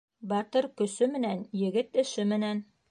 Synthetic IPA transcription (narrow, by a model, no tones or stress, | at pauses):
bɑt̪ɤɾkɵ̆sɵmɘ̆nænjɘ̆ɡɘt̪ɘ̆ʃɘmɘ̆næn